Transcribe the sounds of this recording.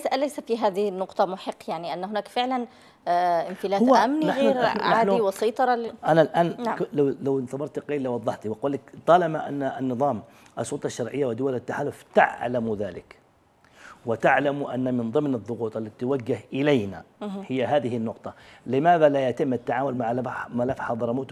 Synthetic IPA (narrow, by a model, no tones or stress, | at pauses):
alajsafiɦaːðɪhɪnːʊqt̪ˤɑmʊħɪqːjaʕniʔanːɦʊnaːkfɪʕlan | ʔɪmfɪlaːhʔʔamniɣːɾnaaːniwɑsˤɑjt̪ˤɑɾˤɑlʔanalʔaːnːlawlawnθɑbɑɾˤt̪qeːlːɪwɑðˤːɑħt̪iwɪquːlːakt̪ˤːɑːlɑmaʔa̰nːaɪnːɨðˤɑːm | ʔɑsˤʊlt̪ˤɑʃːɑɾˤʕɪjːawɪd̪ʊwalɪt̪ːaħaːlʊft̪a̰ʕlamðaːlɪ̰k | wɪt̪aʕlamʔa̰nːamɪnðˤɨmnɨðˤːʊɣuːt̪ˤɪlːat̪it̪waɡːɪhʔɪlajna̰hɪjːaɦaːðɪɦɪnːʊqt̪ˤɑlɪmaːðalajat̪ɪmːʔat̪ːaʕaːmʊlmaʕlamalafħɑðˤɑɾˤmuːt̪